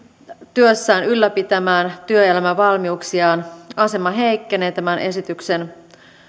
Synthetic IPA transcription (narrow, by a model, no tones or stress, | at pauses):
t̪yøsːæːnylːæpit̪æmæːnt̪yøelæmæʋɑlmiuksiɑːnɑse̞mɑɦe̞jkːe̞ne̞ːt̪æmænʔe̞sit̪ykse̞n